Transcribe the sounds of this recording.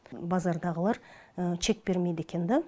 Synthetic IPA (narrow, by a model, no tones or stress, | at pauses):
bɑzɑɾd̪ɑʁəlˠɑɾəʃe̞k̚be̞ɾmed̪ekʲe̞nd̪ɪ